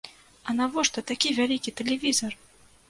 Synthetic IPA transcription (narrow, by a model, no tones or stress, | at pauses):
ɐnavɔʂt̪ɐt̪akʲivʲalʲikʲit̪ɛlʲɛvʲizɐr